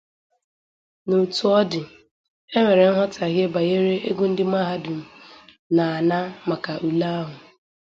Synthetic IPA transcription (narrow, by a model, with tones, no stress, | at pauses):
no˨tu˨ɔ˦dɪ˨ | e˦ŋʷe˨ɾe˨n̩˦ɦɔ˦ta˨ɦje˦ba˨je˦ɾe˦ʔe˦ɡu˦n̩˦dɪ˦m˦a˦ɦa˦dʊ˨m̩˨ | na˨a˨na˦ma˨ka˨ʔu˨la˦a˦ɦʊ˨